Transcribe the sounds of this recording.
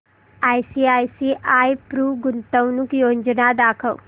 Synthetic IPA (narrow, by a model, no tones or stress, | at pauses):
aːjsiːaːjsiʔaːjpɾuːɡʊnt̪əwnukjoːɲd͡ʒnad̪aːkʰɐw